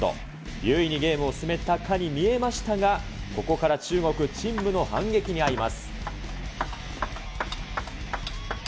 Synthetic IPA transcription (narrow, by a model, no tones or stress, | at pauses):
t̪o̞̰ | jɯ̟ːiɲ̟iɡe̞ːmɯ̟osɨme̞t̪akʰaɲ̟imʲie̞maɕi̥t̪aɡako̞ko̞kaɾat͡ɕɨːŋo̞kɯ̟t͡ɕĩmbɯ̟no̞hã̰ŋɡe̞kʲiɲ̟iaɾimasɨ̥